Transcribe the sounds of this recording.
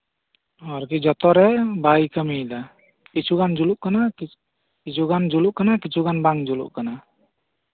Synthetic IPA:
ɔɾkid͡ʒɔt̪ɔɾɛbajkəmid̪a | kit͡ʃuɡand͡ʒuluʔkana | kit͡ʃuɡand͡ʒuluʔkanakit͡ʃʰuɡanbaŋd͡ʒulṵʔkana

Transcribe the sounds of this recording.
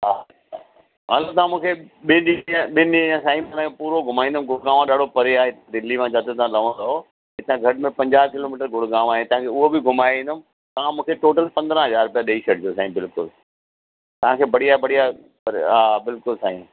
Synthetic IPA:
ɦaː | ɦɐlot̪̬ɐãmũːkʰeɓɪɗĩɓɪnɗiə̃ɲãsaːĩmt̪ãkʰepuːɾoɡʱʊmaːĩnd̪əmɡʱʊɽɡãːʋãɗaːɽ̤opɐɾeaːɦed̪ɪlːimãt͡ɕaːt̪et̪ãlɐʋə̃nd̪oɦo | ɦɪt̪ãɡʱɐɽmẽpɐ̃ɲd͡ʑaːkɪloːmiːʈəɾɡʱʊɽɡãːʋaːɦet̪ɐ̃ɦãkʰeːʊɦobɪɡʱʊmaːĩnd̪əmɪ̆ | t̪ɐʋ̤ãmũːkʰeʈoːʈəlpɐ̃nd̪ɾə̃ɦɐzaːɾpijaɗɐiʃɐʈ̚d͡ʑosãːĩbɪlkʊl | t̪ɐʋ̤ãkʰeːbɐɽijabɐɽ̤ija | pɐɾ̰aːbɪlkʊlsaːḭ̃

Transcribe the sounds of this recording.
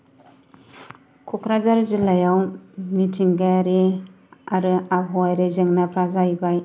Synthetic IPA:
kʰukʰɾazaɾzɯlajawmitʰiŋɡaɾe | aɾɯabʰoajɾezɯŋnapʰɾazajbaj

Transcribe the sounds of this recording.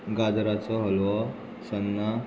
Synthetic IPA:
ɡad͡zɾat͡sɔɦəlʋɔ | sənːa

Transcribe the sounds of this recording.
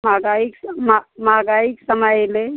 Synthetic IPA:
maɡaiksmmaɡaiksəməjle

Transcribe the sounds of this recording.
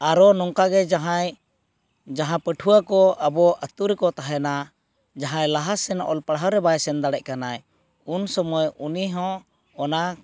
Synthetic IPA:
aɾɔnɔŋkaɡɛd͡ʒaɦãj | d͡ʒaɦãpəʈʰuwakɔʔabɔʔət̪uɾɛkɔt̪aɦɛna | d͡ʒaɦãjlaɦasɛnɔ̰ʔɔlpaɽɦawɾɛbajɛsɛnd̪aɽɛʔ̚kanaj | unsɔmɔjuniɦɔ̃ | ɔna

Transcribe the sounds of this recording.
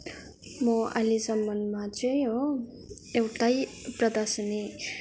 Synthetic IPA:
moa̰lisʌmːʌnmat͡sʌj̃o | ewʈajprʌd̪ʌsʌne

